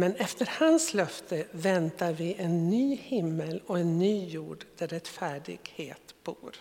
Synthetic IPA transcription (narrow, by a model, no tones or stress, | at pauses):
mɛnɛft̪əɾhanslœft̪əvɛnt̪aɾvɪʔɛnːyːhɪmːəlɔɛnːyːjuːɖd̪̥æɾɛt̪ːfæːɖɪ̰ɡ̥heːt̪b̥ṵːɾ